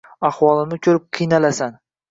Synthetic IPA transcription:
ahwɒlˠɪmɪkʲʰɵɾɪp̚qʰɨjnalasan

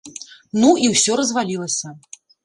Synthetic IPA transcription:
nuiwsʲɔɾɐzvalʲilˠɐsʲɐ

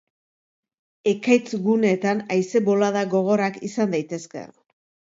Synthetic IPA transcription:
e̞kajt͡sɡune̞t̪anajse̞bo̞laðaɡo̞ɣ̞o̞ɾakisand̪ajt̪e̞ske̞̰

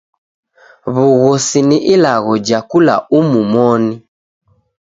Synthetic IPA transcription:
βuɣɔsiniʔilaɣɔd͡ʒakula̰umumɔni

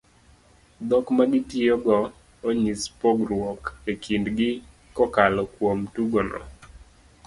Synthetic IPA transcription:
d̪ɔkmaɡɪtjioɡɔ | oɲispoɡɾwokekʰindɡɪ | kɔkalɔkwomtuɡɔnɔ̰

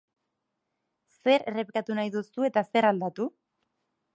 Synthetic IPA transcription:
se̞ɾere̞pikat̪unajðusue̞t̪ase̞ɾald̪at̪u

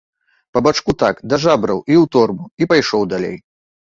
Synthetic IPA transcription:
pɐbat͡ʂkut̪akd̪aʐabɾɐ̰wʔiwt̪ɔrmuipajʂɔwd̪alʲḛj

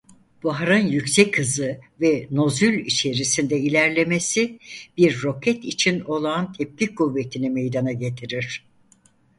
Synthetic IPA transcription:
b̥aɦɾɯnjycsɛcʰːɯzɯvɛno̞zylʲit͡ʃʰe̞ɾisind̪ɛilʲæɾlʲe̞mesib̥iɾːo̞cʰɛt̪it͡ʃʰino̞lˠant̪ʰɛp̚cikʰuvːe̞t̪ʰinimejd̪anaɟe̞t̪ʰiɾiɾ̥

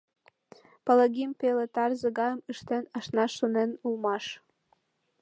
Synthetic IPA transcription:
pələɣimpelet̪ɑrzəɣɑjəmɯʃt̪enɑʃnɑʃonenulmɑʃ

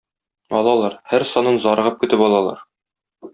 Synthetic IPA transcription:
ɒlˠɑlˠɑɾhæɾsɒnɤnzɒɾɤ̆ʁɤp̚kɵ̆t̪ɘpɒlˠɑlˠɑ̰ɾ

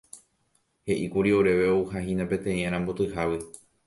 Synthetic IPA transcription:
he̞ʔikuɾio̞ɾe̞ʋe̞ouhahĩnapẽ̞t̪ẽ̞ĩãɾ̃ãmbot̪ɨhaʋɨ

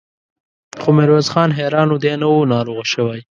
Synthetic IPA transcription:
xomɪɾwazxɑnɦeɾɑnod̪enawunɑɾoɣaʃəwaj

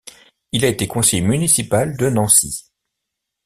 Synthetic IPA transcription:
ilaet̪ekɔ̃sɛjmynisipald̪ənɑ̃si

